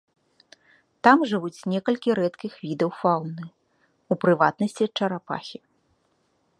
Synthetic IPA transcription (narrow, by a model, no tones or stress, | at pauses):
t̪amʐɨvut͡sʲnʲɛkɐlʲkʲiɾɛt̪kʲixvʲid̪ɐwfawnɨ | upɾɨvat̪̚nɐsʲt͡sʲit͡ʂɐɾapa̰xʲi